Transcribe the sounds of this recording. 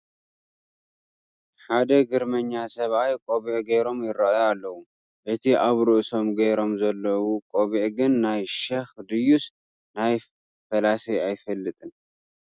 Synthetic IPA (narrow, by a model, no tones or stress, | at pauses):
ħad̪ɐɡɨɾmɐɲːasɐβajkʼoβiʕɡɐjɾo̞mjɪɾɐjalːɐwu | ʔɨt̪ʰiʔaβɾɨʔso̞mɡɐjɾo̞mzɐlːɐwukʼoβiʕɡɨnːajʃɐxd̪ɨjus | naj | fɐlasɐjajfɐlːɨt̪ʼɨn